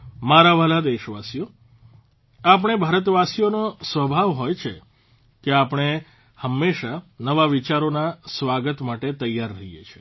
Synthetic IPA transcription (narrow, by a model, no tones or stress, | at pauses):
maɾaʋəlad̪eʃʋasijo | ap̬əɳ̃ebʱaɾət̪ʋasijonosʋəbʱaʋɦojt͡ʃʰe | keapɳ̃e | həmːeʃanəʋaʋit͡ʃaɾonasʋaɡət̪maʈet̪əjːaɾːəɦijet͡ʃʰe̥